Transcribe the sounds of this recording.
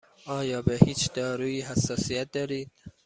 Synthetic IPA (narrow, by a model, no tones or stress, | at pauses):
ʔɒːjɒːbehiːt͡ʃd̪ɒːɾuːiːɦæsːɒːsijæt̪̚d̪ɒːɾiːd̪̥